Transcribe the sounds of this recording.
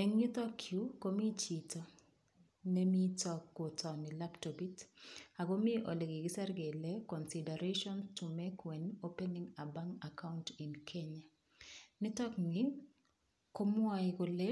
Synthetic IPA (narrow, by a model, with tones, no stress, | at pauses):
e˨ŋɲi˦t̪ɔ˦kʰju˦ko˦mi˦t͡ʃi˨to˨ | ne˦mi˦tɔkːo˨tʰɔ˨nɪ˨la˦pto˨bi˦ta˨ɡo˦mɪ˦ʔo̰˨le˨ɡɪ˨ɡɪ˦sa˦ɾɡe˨lɛ˦kɔ˨nsida˨ɾeʃɔ˦nstu˨me˦kwe˨no˦pe˦niŋa˨ba˦ŋa˨kʰa˦ʊnti˨nkʰe˦ɲa˨ | nɪ˦t̪ɔ˦kŋɪŋ | ko˦mʊ˦a˦ɪko˨lɛ˦